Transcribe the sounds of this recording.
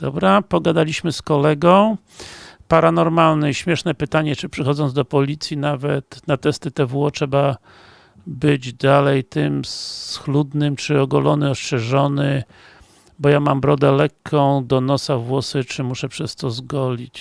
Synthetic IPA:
d̪̥ɔ̰bɾapɔɡad̪alʲiɕmɘskɔlɛɡɔ̃w̃ | paɾanɔɾmalnɛɕmʲjɛʂnɛpɘt̪aɲɛt͡ʂɘpʂɘxɔd̪zɔnd̪d̪ɔpɔlʲit̪sʲjinavɛt̪nat̪ɛst̪ɘt̪ɛvwɔt͡ʂɛba | bɘd͡ʑd̪alɛjt̪ɘmssxlud̪nɘmt͡ʂɘɔɡɔlɔnɘɔst͡ʂɛʐɔnɘ | bɔjamambɾɔd̪ɛlɛkʰːɔ̃w̃d̪ɔnɔsavwɔsɘt͡ʂɘmuʂɛpʂɛst̪ɔzɡɔlʲit͡ɕ

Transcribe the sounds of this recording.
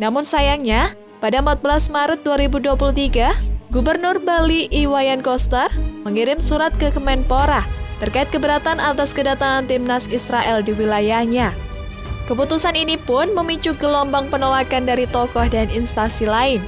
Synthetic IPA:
namʊnsajaŋɲa | padaəmpat̪̚bəlasmaɾət̪̚duaɾibuduapulut̪iɡaɡubərnʊrbaliʔːwajankɔst̪ərməŋiɾɪmsuɾat̪̚kəkəmɛnpoɾat̪ərkaɪt̪̚kəbəɾat̪anʔat̪askədat̪aŋant̪imnasisɾaʔɛldiwilajahɲa | kəput̪usaninipʊnməmit͡ʃuɡəlɔmbaŋpənolakandaɾit̪ɔkɔhdaninst̪asilaɪn

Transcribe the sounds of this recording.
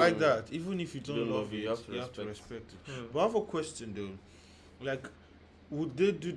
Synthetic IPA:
aɪk̚ðatʰivə̃nifjudõnlʌvfjhaftʰɹɛspɛk̚tɪtbʌavəkʰwɛst͡ʃɨ̃ndo | laɪk | wudðedu

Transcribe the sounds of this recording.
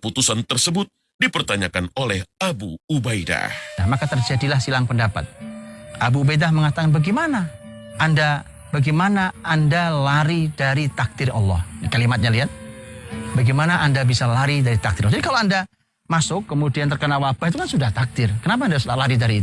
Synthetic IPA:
put̪usant̪ərsəbʊt̪̚ | dipərt̪aɲakanolɛhabṵubajda̰hnahmakat̪ərd͡ʒadilahsilaŋpəndapa̰t̪̚ʔabuːbajdahməŋat̪akanbaɡimana | ʔːnda | baɡimanaʔandalaɾidaɾit̪ak̚d̪̥ɪrɑ̰lːɔ̰hjakalimat̪̚ɲaliat̪̚ | baɡimanaʔandabisalaɾidaɾit̪ak̚d̪ɪɾd͡ʒadikaloanda | masʊkːəmudiant̪ərkənawapait̪ukansudaht̪ak̚d̪̥ɪrkənap̬aːndalaɾidaɾi

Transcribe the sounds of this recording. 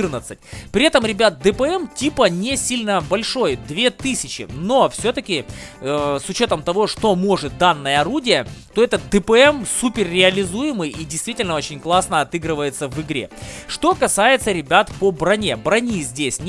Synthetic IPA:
ɨrnət̪sɨt̚ʲpɾʲɪɛt̪əmɾʲɪbʲat̪̚d̪ɨpəɛmtʲipənʲɪsʲilʲnəbɐlʲʂo̞jd̪vʲe̞t̪ɨsʲɪt͡ɕɪ̰no̞fsʲot̪əkʲɪ | sʊt͡ɕo̞t̪əmt̪ɐvo̞ʂt̪o̞moʐɨt̪̚d̪anːəjəɐɾudʲɪjət̪o̞ɛt̪ət̪̚d̪ɨpəɛmsupʲɪrrʲɪɐlʲɪzujɪmɨjidʲɪjst̪vʲitʲɪlʲnəo̞t͡ɕɪnʲklˠasnəɐt̪ɨɡɾɨvəjɪt̪səvɨɡɾʲe̞̰ʂt̪o̞kɐsajɪt̪səɾʲɪbʲat̪pəbɾɐnʲebɾɐnʲizʲdʲesʲnʲ

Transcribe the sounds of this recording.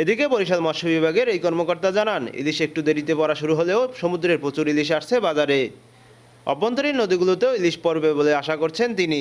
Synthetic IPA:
ed̪ikepoɾiʃalmaʃobibʱaɡeɾejkɔɾmokoɾt̪ad͡ʑananḭliʃek̚ʈud̪eɾit̪epɔɾaʃuɾuɦoleoʃomud̪ɾeɾpot͡ɕuɾiliʃ̬aʃt͡ɕʰebad͡ʑaɾe | ɔ̰bont̪oɾiɾnod̪iɡulot̪eoiliʃpoɾbeboleaʃakoɾt͡ɕʰent̪ini

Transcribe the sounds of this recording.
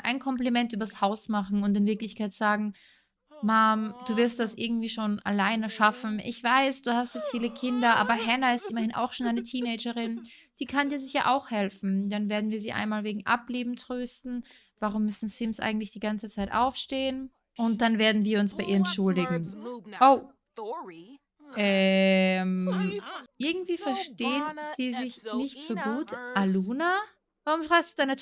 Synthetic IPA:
ʔa̰ɪnkʰɔmplimɛntʔyːbɐshaʊsmaχn̩ʊntɪnvɪɐklɪçkaɪtz̥aːɡŋ̩ | maːmd̥uːvɪɐst̚d̥asʔɪɐɡŋ̩tv̥iːʃoːna̰laɪnəʃafn̩ʔɪ̰çv̥aɪsd̥uːhastjɛt͡stfiːləkʰɪndɐʔa̰ːbɐɦɛnɐɪstʔɪmɐhɪnʔa̰ʊxʃoːnʔaɪnətʰiːneɪd͡ʒəʁɪn | d̥iːkʰandiːɐzɪçja̰ːʔaʊxhɛlfn̩d̥anveːɐdn̩viːɐziːʔa̰ɪnmaːlveːɡŋ̩ʔa̰pliːbm̩tʁ̥øːstn̩ | vaʁʊmːʏsn̩sɪmsʔa̰ɪɡŋ̩tlɪçd̥iːɡant͡sət͡saɪtʔa̰ʊfʃteːən | ʔʊnt̚d̥anveːɐdn̩viːɐʊnsb̥aɪʔiːɐɛntʃʊldɪɡŋ̩ʔoʊ | ʔɛːm | ʔɪɐɡŋ̩tv̥iːfɛɐʃteːənz̥iːzɪçnɪçz̥oːɡuːtʔaluːna | vaʁʊmʃʁ̥aɪpstd̥uːdanə

